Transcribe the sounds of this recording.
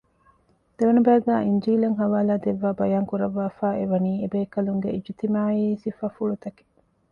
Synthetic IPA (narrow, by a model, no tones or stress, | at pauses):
d̪̥eʋɐnɐbæːɡæːʔiɲd͡ʒiːlɐŋɦɐʋaːlaːd̪eʋːaːbɐjaːŋkuɾɐʋːaːfaːeʋɐniːebeːkɐluŋɡeʔid͡ʒit̪imaːiːsifɐfuɭut̪ɐke̥